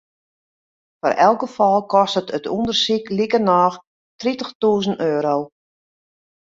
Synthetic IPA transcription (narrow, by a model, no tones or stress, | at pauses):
fɔ̰rʔɛ̰lˠɡəfɔlˠkɔstətətṵndərsiklikərnɔːx | tritəxtuːzənøːɾow